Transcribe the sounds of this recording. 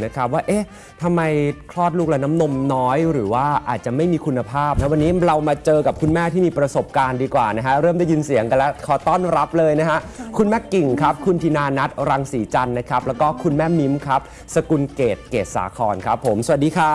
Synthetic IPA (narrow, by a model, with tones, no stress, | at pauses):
na˦˥kʰa˦˥p̚waː˥˩ʔeː˦˥ | t̪ʰa˧mːa˧jkʰlɔː˥˩t̪̚luː˥˩k̚lɛ˧˥na˦˥mno˧mnɔː˦˥jɾɯː˩˦waː˥˩ʔa̰ː˨˩t̪̚t͡ɕa˨˩ma˥˩jmiː˧kʰu˧nːa˧pʰaː˥˩p̚na˦˥wa˧nːiː˦˥ɾa˧wmaː˧t͡ɕɤː˧ka˨˩p̚kʰu˧nmɛː˥˩t̪ʰi˥˩miː˧pɾa˧so˨˩p̚kaː˧ndiː˧kwaː˨˩na˦˥kʰa˦˥ɾɤː˥˩mda˥˩ji˧nsi˨˩˦əŋka˧lɛ˦˥kʰɔː˨˩˦t̪ɔː˥˩nɾa˦˥p̚lɤː˧jna˦˥kʰa˦˥ʔkʰu˧nmɛː˥˩ki˨˩ŋkʰa˦˥p̚kʰu˧nt̪ʰiː˧naː˧na˦˥t̪̚ɾa˧ŋsiː˩˦t͡ɕa˧nːa˦˥kʰɾa˦˥p̚lɛː˦˥wkɔː˥˩kʰu˧nmɛː˥˩mi˦˥mkʰa˦˥p̚ | sa˧ku˧nkeː˨˩t̪̚keː˨˩t̪̚sa̰ː˩˦kʰɔː˧nkʰa˦˥pʰːo˩˦msa˧wa˨˩diː˧kʰa˦˥˩